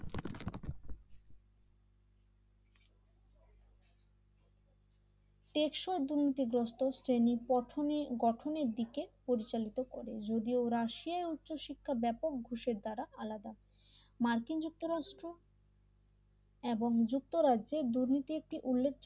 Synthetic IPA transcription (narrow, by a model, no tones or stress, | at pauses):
ʈekʃoed̪uɾnit̪iɡɾosʈosɾenipɔʈʰoniɡɔʈʰoneɾd̪ikepoɾit͡ɕalit̪okɔɾed͡ʑod̪ioɾaʃiaeut̪ːɕoʃikʰːabɛpok̚ɡʱuʃeɾd̪aɾaʔalad̪a | maɾkind͡ʑuk̚t̪oɾaʃʈɾo | eboŋd͡ʑuk̚t̪oɾaded̪uɾnit̪iek̚ʈiʔulːek̚ʰd͡ʑ